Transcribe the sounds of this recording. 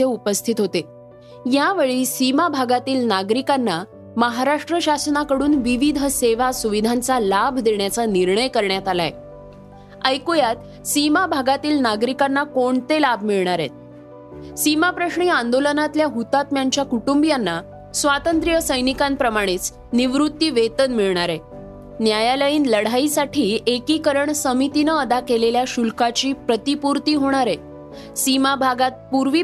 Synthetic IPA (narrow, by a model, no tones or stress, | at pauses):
t̪jeupəst̪ʰit̪ɦot̪e | jaʋeɭiːsimabʱaɡat̪iːlnaɡɾikanːa | məɦaɾaʂʈɾəɕasnakəɽuːnʋiʋid̪ʱəseʋasuʋid̪ʱant͡salabʱd̪eɳjat͡saniɾɳəjkəɾɳjat̪alaḛ | əjkujat̪ | simabʱaɡat̪iːlnaɡɾikanːakoɳt̪elab̚ʱmiɭɳ̃aɾḛt̪̚ | simapɾəɕɳiːãnd̪olənat̪ljaɦut̪at̪mjaɲt͡ɕjakuʈumbijanːa | sʋat̪ənt̪ɾijəsəjnikãnpɾəmaɽ̃et͡s | niʋɾut̪ːiːʋet̪ənmiɭɳaɾe | njajaləjiːnləɽ̤aisaʈʰiːekiːkəɾəɳsəmit̪inəəd̪akeleljaɕulkat͡ɕiːpɾət̪ipuɾt̪iːɦoɽ̃aɾe | simabʱaɡat̪̚puɾʋiː